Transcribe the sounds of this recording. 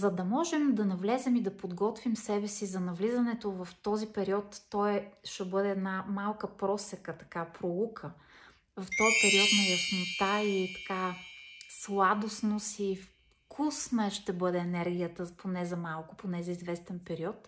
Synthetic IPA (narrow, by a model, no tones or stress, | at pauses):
zɐd̪ɐmɔʒɛmd̪ɐnɐvlɛzɛmid̪ɐpod̪ɡɔt̪vimsɛbɛsizɐnɐvlizɐnɛt̪ovɐft̪ɔzipɛɾiɔt̪ːɔjʃɛbɤd̪ɛːd̪namalˠkəpɾɔsɛkət̪ɐ̥kapɾoukʰə | vɐft̪ɔjpɛɾiɔt̪nɐjɐsnot̪ait̪ɐ̥ka | slˠad̪osnosif | kʰusmɛʃt̪ɛbɤd̪ɛːnɛɾɡʲijət̪əpʰonɛzɐmalˠkʊponɛzəizvɛst̪ɛnpɛɾiɔt̪